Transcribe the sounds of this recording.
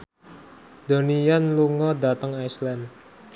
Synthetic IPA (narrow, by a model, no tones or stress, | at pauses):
d̪̥o̤nijanluŋɔdat̪əŋajslan